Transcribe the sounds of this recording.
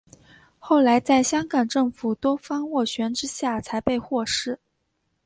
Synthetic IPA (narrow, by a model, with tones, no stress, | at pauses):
xo˥˩ʊla˧˥ɪt͡sa˥˩ɪɕjɑ˥ŋkɑ˨˩ŋʈ͡ʂɤ˥˩ŋfu˨˩t̪wɔ˥fɑ˥ŋwɔ˥˩ɕɥɛ˧˥nʈ͡ʂɻ̩˥ɕja˥˩t͡sʰa˧˥ɪpe˥˧ɪxwɔ˥˧˩ʂɻ̩˥˩